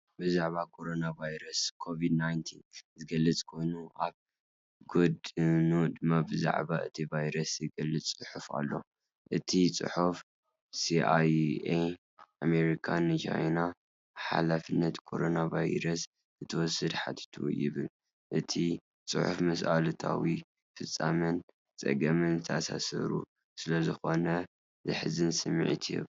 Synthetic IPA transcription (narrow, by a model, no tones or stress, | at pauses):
bɨzaʕβakʰo̞ɾo̞navajɾɐskʰo̞vid̪najnt̪ʰinzɨɡɐlːɐt͡sʼkʰo̞jnuʔaβ | ɡod̪ɨnud̪ɨmːabɨza̰ʕβa̰ɨt̪ʰivajɾɐsjɨɡɐlːɨt͡sʼːɨħufa̰lːo̞̰ | ʔɨt̪ʰit͡sʼɨ̰ħuf | siaje | ameɾikʰanɨd͡ʒa̰jna | ħa̰lafɨnːɐt̪kʰo̞ɾo̞navajɾɐs | zɨt̪ʰɐwɔsːɨd̪ħat̪ʰi̥t̪ʰṵjɪβɨl | ʔɨt̪ʰi | t͡sʼɨ̰ħufmɐsʔalɐt̪ʰa̰wi | fɨt͡sʼːamɐn | t͡sʼɐ̰ɡɐmɨnzɨt̪ʰɐasa̰sɐ̰ɾṵ | sɨlɐzɨxo̞nɐ | zɨħɨzɨnsɨmːɨ̰ʕt̪ʰjɛβ